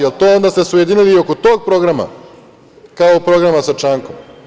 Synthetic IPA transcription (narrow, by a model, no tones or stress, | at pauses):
jelˠt̪o̞ːond̪aːst̪esujed̪inilio̞kot̪o̞ːɡ̚pɾo̞ɡɾama̰ | kaopɾo̞ɡɾamasat͡ʃaːŋkom